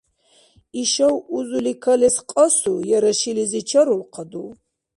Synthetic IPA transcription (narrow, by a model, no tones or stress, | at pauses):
iʃɐwuzulikʰɐlɛsqʼɐsujɛɾɐʃilizit͡ʃʰɐɾulqʰad̪u